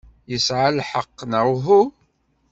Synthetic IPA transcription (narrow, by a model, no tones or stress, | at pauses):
jəsʕalħəqːnəɾɦu